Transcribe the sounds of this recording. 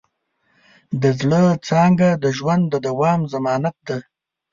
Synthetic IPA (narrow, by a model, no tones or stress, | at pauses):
d̪əzɭət͡sɑŋɡad̪əʒwand̪d̪əd̪awɑːmzamɑːnat̪̚d̪a